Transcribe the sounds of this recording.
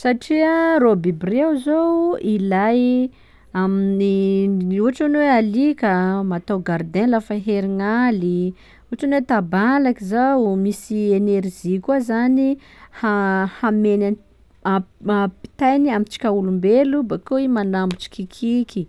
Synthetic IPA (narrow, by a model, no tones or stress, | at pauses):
saʈ͡ʂiarobibrewzowilaj | amini | uɦaʈ͡ʂanwealikamat̪awɡaɾd̪elafaɦeɾiŋali | uʈ͡ʂinwet̪abalakizawmisieneɾzikuazanihahamenan | aapi̥t̪ajniamit͡ʃi̥kʲaulumbelubakoimanambut͡ʃi̥kikʰiki